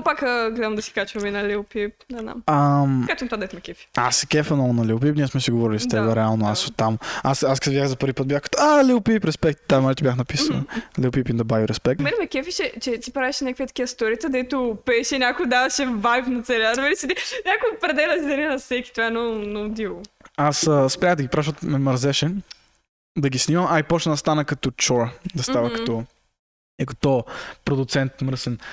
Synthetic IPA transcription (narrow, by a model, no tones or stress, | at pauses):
pakəɡlɛd̪ɐmd̪ɐsi̥kat͡ʃvɐmɛnɐlʲɛpipnɛzna̰mɐmkat̪mɐt̪ovad̪ɛt̪mɛkʲɛfi̥asɛkʲɛfɐnɔnɐliʊp̬ipniɛsmɛsiɡovɔɾilizɐt̪ɛbɛɾɛalˠnoasot̪ːamasaskɐt̪vd̪ʲaxzɐpəɾvʲipət̪̚bʲjaxkɐt̪ɔaliwpipɾɛspɛkt̪t̪ːamaɾɛt̪ɛbʲjaxnɐpisɐnə̰lɛpipind̪ɐbajʊɾɛspɛk̚t̪mɛnɛmɛkʲɛfiʃɛt͡ʃɛt̪ipɾaviʃɛnʲakviət̪ɐ̥kʲiəst̪ɔɾiət̪ɐd̪ɛt̪ʊpɛːʃɛnʲakʊd̪avɐʃɛvajfnɐt̪sɛɾʲaɾvɛlit͡ʃit̪inʲakʊpɾɛd̪ɛlɐsid̪ɐnɛnɐfsɛkʲi̥t̪vaɛnɔnod̪ivˠʊasəspɾʲaxd̪ɐɡʲipɾavʃɔt̪mɛməɾzɛʃɛ | d̪ɐɡisnimɐmajpɔt͡ʃnnɐst̪anɐkɐt̪ɔt͡ʃɔɾd̪ɐst̪avəkɐt̪ɔ | ikɐt̪ɔpɾod̪ʊt̪sɛnt̪məɾsɛn